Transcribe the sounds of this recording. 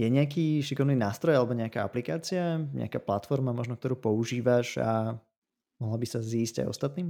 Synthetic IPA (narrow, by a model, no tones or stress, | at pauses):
jɛɲɛakiːʃikɔʋniːnaːst̪ɾɔjalɛbɔɲɛakaːa̰plikaːt͡siaɲɛ̰a̰kaːplat̪fɔɾmamɔʒnɔk̚t̪ɔɾuːpɔuʒiːʋaʒa̰ | mɔɦlabisaziːzɟa̰jɔ̰st̪at̪niːm